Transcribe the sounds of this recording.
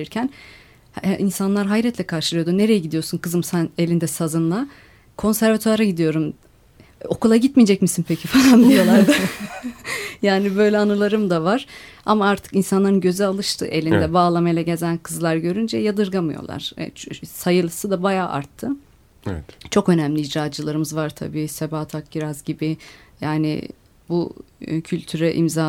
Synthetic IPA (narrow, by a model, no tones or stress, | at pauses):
iɾcʰæn | ʔinsanlˠaɾɦajɾɛt̪lʲɛkʰaɾʃɯlˠɯjo̞d̪une̞ɾejɛɟid̪ijo̞ɾsunkʰɯzɯmsæne̞lʲind̪ɛsazɯnlˠa | kʰo̞nsæɾvat̪ʰøɾaɟid̪ijo̞ɾum | o̞kulˠaɟit̪mijd͡ʒɛc̚misinpʰecʰifalˠand̪ijo̞lˠaɾd̪a | jaːnibø̞jlʲɛanɯlˠaɾɯmd̪avaɾ̥a̰maaɾt̪ʰɯ̥kinsanlˠaɾɯnɟø̞zɛalˠɯʃt̪ʰɯ̰ʔe̞lʲind̪ɛbaːlˠamajlˠaɟe̞zænkʰɯzlˠaɾɟø̞ɾynd͡ʒɛjad̪ɯɾɡamɯjo̞̰lˠa̰ɾ̥̰t͡ʃsajɯlˠɯsɯd̪abajaːʔa̰ɾt̪ʰːɯ | t͡ʃʰo̞kø̞næmlʲiːd͡ʒɾaːd͡ʒɯlˠaɾɯmɯzvaɾt̪ʰa̰biːsebaːt̪ʰak̚biɾazɟibɪjaːnɪ̰ | bucʰylʲt̪ʰyɾɛʔḭmzaː